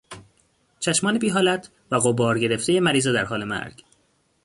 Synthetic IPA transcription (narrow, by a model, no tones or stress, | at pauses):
t͡ʃʰæʃmɒːnebiːɦɒːlæt̪ʰ | væɣobɒːɾɟe̞ɾeft̪ejemæɾiːzed̪æɾɦɒːle̞mæ̰ɾɡ̥